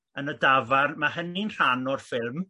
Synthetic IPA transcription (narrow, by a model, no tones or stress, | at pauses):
ənədavarmaɦəninr̥anɔrfɪlˠm